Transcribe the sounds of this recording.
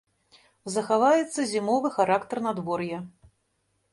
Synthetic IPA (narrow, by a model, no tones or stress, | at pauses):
zɐxavajɛt̪sːɐzʲimɔvɨxaɾakt̪ɐrnad̪vɔrjɐ